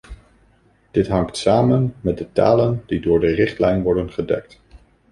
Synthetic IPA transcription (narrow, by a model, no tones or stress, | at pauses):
d̥ɪtɦɑŋktsaːmənmɛt̚dəta̰ːləndidʊːɹdərɪχtlɛjnʋɔɹdənχədɛ̰k̚t